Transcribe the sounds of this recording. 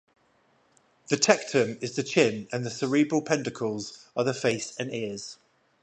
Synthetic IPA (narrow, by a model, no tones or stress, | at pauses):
ðətʰɛk̚tʰə̃mɪzðət͡ʃʰɪ̃nə̃nðəsəɹibɹəlˠpʰɛ̃ndəkʰəlˠz̥əðəfeɪsə̃nɪəz̥